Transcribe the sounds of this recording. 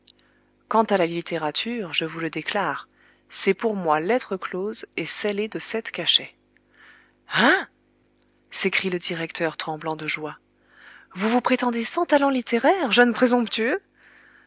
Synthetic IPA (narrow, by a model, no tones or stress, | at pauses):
kɑ̃t̪alalit̪ʰeʁat̪ʰyʁʒəvuləd̪eklaːʁ | sɛpuʁmwalɛt̪χəklozesɛled̪əsɛt̪kaʃɛ | a | sekχiləd̪iʁɛkt̪ʰœʁt̪χɑ̃blɑ̃d̪əʒwa | vuvupχet̪ɑ̃d̪esɑ̃t̪alɑ̃lit̪eʁɛʁʒœnpχezɔ̃pt̪yø